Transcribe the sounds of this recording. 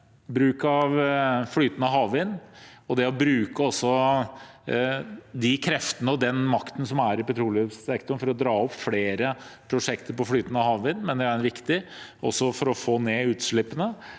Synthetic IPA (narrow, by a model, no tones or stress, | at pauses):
bɾʉːkɑʋfɽyːt̪ənəɑɦɑːʋʋɪnːɔd̪ɛɔbɾʉːkəɔsːɔ | d̪ɪkʰɾɛft̪ənəɔd̪ɛnmɑkt̪ən̩sɔmæɾɪpɛt̪ɾuːlsɛkt̪ɔɳfɔɾɔd̪ɾɑːɔpːfleːɾəpʰɾʊʂɛkt̪əɾpɔfɽyːt̪ənɑɦɑːʋʋɪnːmɛnd̪ɛæɾʋɪkt̪ɪʔɔ̰sːɔfɔɾɔfoːneːʉːt̪ʂɭɪpːənə